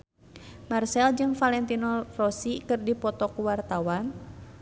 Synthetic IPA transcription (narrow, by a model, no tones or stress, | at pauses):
marsɛld͡ʒɨŋfalɛnt̪inɔrɔsikɨrdipɔt̪ɔkuwart̪awan